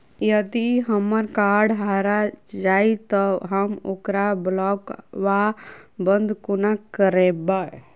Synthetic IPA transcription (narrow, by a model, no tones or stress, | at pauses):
jəd̪iɦəmːəɾkaɾɖɦaɾad͡ʒait̪ɔɦəmokɾablɔkʋabənd̪ʱkunakəɾeba